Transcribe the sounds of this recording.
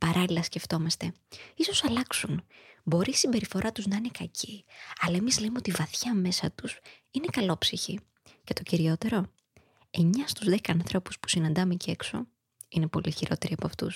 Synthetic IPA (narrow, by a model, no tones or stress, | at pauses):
pɐɾɐlilɐsce̞ft̪o̞mɐst̪e̞ | iso̞sɐlɐksunbo̞ɾisimbe̞ɾifo̞ɾʔɐt̪uznɐine̞kɐcʰiɐlɐe̞mizlemeot̪ivɐθçɐme̞sɐt̪us | inekɐlo̞psiçi | ce̞t̪o̞ciɾio̞t̪e̞ɾo̞ | e̞ɲɐst̪uzðekɐnθɾo̞pu̥spu̥sinɐnd̪ɐmecekso̞̰ | ine̞po̞liçiɾo̞̰t̪e̞ɾiɐpɐft̪ṵs